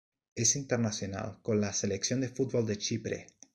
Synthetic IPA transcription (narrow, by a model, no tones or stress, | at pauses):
esint̪eɾnasjo̞na̰lko̞nlaseleksjo̞nd̪efut̪̚bo̞ld̪e̞t͡ʃipɾḛ